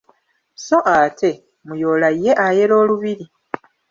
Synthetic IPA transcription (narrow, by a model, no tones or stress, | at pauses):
so̞ʔatʰe̞ | mujo̞ːlajjːe̞ʔaje̞lo̞ːluβiɾi